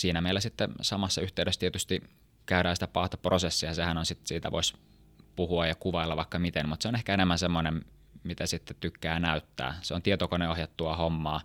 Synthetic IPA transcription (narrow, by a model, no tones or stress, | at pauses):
siːnæmeilːˑæsit̪ːesɑmɑsːɑyht̪eyɾest̪iet̪yst̪i | kæyɾæːsi̥t̪æpɑht̪ɑprosesːiɑsehænonsit̪siːt̪æ̰ʋʔo̰is | puhuɑjɑkuʋɑilːɑʋɑikːɑmit̪enmut̪seonehkæenemːænsemːonem | mit̪æsit̪ːet̪t̪ykːæːnæyt̪ːæ̰ːseont̪iet̪okoneohjɑt̪ːuɑhomːɑː